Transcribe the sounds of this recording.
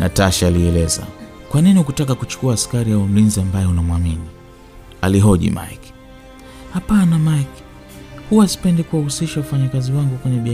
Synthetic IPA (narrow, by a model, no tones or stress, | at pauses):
nataʃaːliɛlɛza̰kwaniniukutakakut͡ʃu̥kuaːskaɾijaum̩linziambajɛunamwamini | a̰liɦɔʄḭma̰ik | hapanamajk | huwasi̥pɛndɛkuwahusiʃaufaɲakaziwaŋɡukwɛɲɛɓi